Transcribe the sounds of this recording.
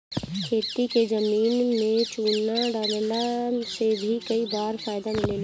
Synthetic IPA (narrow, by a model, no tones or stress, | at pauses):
kʰeːt̪iked͡ʒəmiːnmẽt͡ʃuːnaɖaːnelasebʱikɐibaːɾfaːjd̪amɪleːl